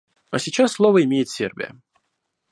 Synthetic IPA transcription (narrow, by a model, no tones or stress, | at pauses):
ɐsʲɪt͡ɕasːlˠovəɪmʲejɪt̪sʲḛrbʲɪ̰jə̰